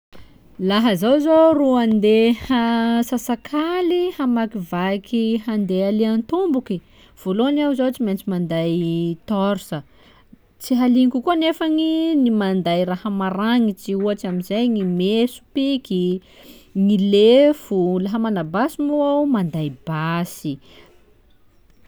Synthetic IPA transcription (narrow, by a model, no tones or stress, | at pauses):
laɦəzawzoruand̪ehasasakʰalihamakivakiɦand̪ealeant̪umbuki | v̥oloniawzot͡ʃiment͡simand̪ajt̪ɔɾsə | t͡siɦaliŋkukuanefaŋinimand̪ajrahəmaɾaŋit͡siuaʈ͡ʂamizajŋimesu̥pikʲi | ŋilefulaɦamanabasimuawmand̪ajbasi